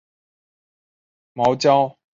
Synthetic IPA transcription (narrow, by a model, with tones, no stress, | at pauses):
mɑ˨˦ʊt͡ɕjɑ˥˦ʊ